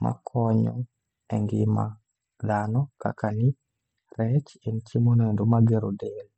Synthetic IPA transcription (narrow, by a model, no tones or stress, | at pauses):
mʔa̰kʰɔɲɔ̰ | ɛŋɡɪma̰ | d̪anɔka̰kanɪ | rɛt͡ʃent͡ʃimonendomaɡeɾodel